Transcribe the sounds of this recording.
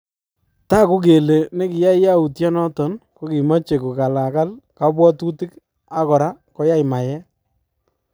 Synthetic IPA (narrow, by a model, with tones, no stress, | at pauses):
ta˦˨ku˦k̬e˨le˨ne˦kɪ˨ja˦jja˦u˨tjɔ˦nɔ˦tɔ˨nko˦ki˨ma˦t͡ʃe˨ku˨ka˨la˨ka˦lka˨˦bwɔ˦tu˦tɪ˦k | a˦kɔ˨ɾa˦kɔ˨˦ja˦jma˨jɛ˦